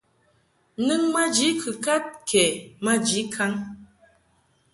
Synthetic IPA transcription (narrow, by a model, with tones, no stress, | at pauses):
nɨ˦ŋma˦d͡ʒi˨˦kʰɨ˨ka˦t̚kʰɛ˨ma˦d͡ʒi˨˦kʰa˦ŋ